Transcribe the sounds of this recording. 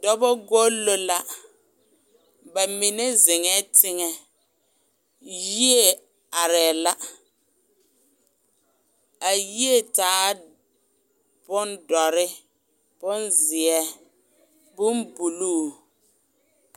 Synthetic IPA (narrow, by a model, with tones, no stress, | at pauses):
dɔ˦bɔ˦ɡo˦lːo˦la˦ | ba˨mi˨nɛ˦zɪ˨ŋɛ˦tʰɪ˦ŋɛ˨ | ji˦e˦˨ | a˨ɾɛ˨la˦ | a˨ji˦e˦taː˨˦ | b̥ʊ˦ndɔ˨ɾɪ˦ | b̥ʊ˦nzɪ˨ɛ˦ | bʊ˦mbu˨luː˦˨